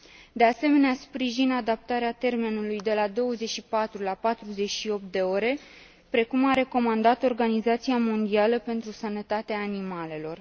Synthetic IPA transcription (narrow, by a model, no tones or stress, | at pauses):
d̪ease̞me̞neaspɾiʒinad̪ap̚t̪aɾeat̪e̞rme̞nulujd̪e̞lad̪o̞wəzet͡ʃʃipat̪ɾulapat̪ɾuze̞t͡ʃʲʃio̞p̚t̪̚d̪e̞o̞ɾe̞ | pɾe̞kumaɾe̞ko̞mand̪at̪o̞rɡanizat̪siamo̞nd̪ialəpe̞nt̪ɾusənət̪at̪eaːnimale̞lo̞r